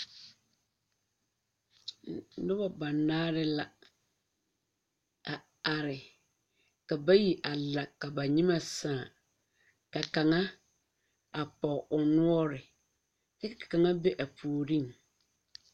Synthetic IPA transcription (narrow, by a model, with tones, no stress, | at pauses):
dʊ˦ba˨ba˨nːaː˦ɾɪ˦la˨ | a˨ | a˨ɾɪ˨ | ka˨ba˦ji˨ʔa˨la˨ka˨ba˨ɲĩ˦mã˦˨sãː˨ | ka˨ka˨ŋã˦ | a˨pɔ˨ʔɔ˨nʊ˦ɔ˦ɾɪ˨ | ɛ˦ka˨kʰḁ˨kã˨ŋa˦be˦ʔa˨pʰu˨ɾĩ˦ŋ